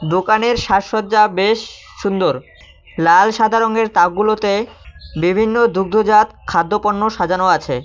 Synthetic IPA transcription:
d̪okaneɾʃaʃot̪̚d͡ʑabeʃː | und̪oɾ | lalʃad̪ʱaɾoŋeɾt̪aɡulot̪ebibʱinːod̪uɡ̚d̪ʱod͡ʑat̪kʰad̪ːopoɳnːoʃad͡ʑanoat͡ɕʰḛ

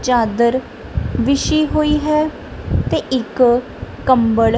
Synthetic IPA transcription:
t͡ʃaːd̪əɾ | ʋɪʃiːɦoːiːɦɛː | t̪eːʔɪk | kəmbəɭ

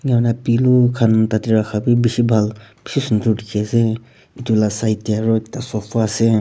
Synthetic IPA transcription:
ŋawnapilukʰantatiɾakʰabibisibʱalb̥isisundudikʰeze | itulasajtiaɾɔk̚tasɔpʰase

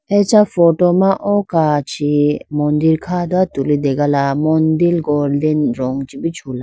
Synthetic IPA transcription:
ɛt͡ʃafɔtɔmaʔɔkat͡ʃʰimɔndiɾkʰad̪at̪ulid̪ɛɡalamɔnd̪ilɡɔɾdɛnɾɔŋt͡ʃibit͡ʃʰula

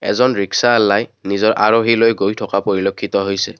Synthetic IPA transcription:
ɛ̰zɔnɹiksaɛlːajnizɔɹʔa̰ɹoɦilojɡojtʰɔkapoɹilokʰːit̪ɔɦojsɛ

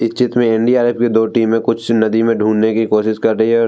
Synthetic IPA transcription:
ɪst͡ʃɪt̪mẽɛɳɖiaːɾepked̪oːʈiːmːẽkʊt͡ʃʰnɐd̪imẽɖʱũːnnekikoːʃɪʃkɐɾɾɐɦiɦɛɔːɾ

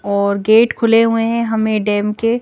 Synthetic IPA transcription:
ɔːɾɡeːʈkʰʊleɦueɦɛ̃ɦɐmẽɖɛːmke

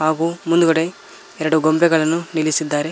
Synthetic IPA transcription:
ɦaːɡuːmund̪uɡɐɽe̞ | ɛɾɐɽuɡombɛɡɐɭɐnːunilisid̪ːaːɾe

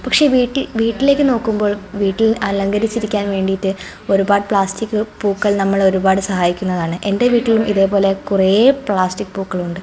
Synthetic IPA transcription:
pɐkʂe̞ʋiːʈːilʋiːʈːile̞ːkːɨno̞ːkːumbo̞ːɭʋiːʈːilʔɐlɐŋɡɐɾit͡ɕːiɾikʲːaːnʋe̞ːɳɖijtːɨ | o̞ɾubaːɽɨpɭaːstikːɨpuːkːɐɭnɐmːɐɭo̞ɾubaːɽɨsɐhaːjikʲːunːɐðaːɳɨʔe̞nde̞ʋiːʈːilumiðe̞ːbo̞ːle̞kurepɭaːstikːɨbuːkːɐɭuɳɖɨ

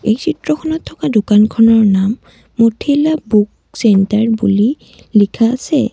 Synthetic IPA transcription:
ejsʰitɹɔxʰɔnɔtʰːɔkadukankʰɔnɔɹnamː | otʰelabuk | sɛntaɹbṵli | likʰa̰ːsɛ̰

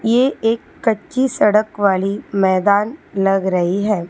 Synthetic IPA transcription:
jeeːkːɐtːʃisɐɽəkʋaːlimɛːd̪aːnlɐɡɾɐɦiɦɛː

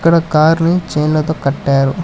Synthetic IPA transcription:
kːɐɽɐkaːɾnit͡ʃeːnlɐt̪oːkɐʈːaːɾu

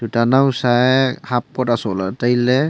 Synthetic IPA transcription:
d̥utanausahap̚kɔtasɔlatajlɛ

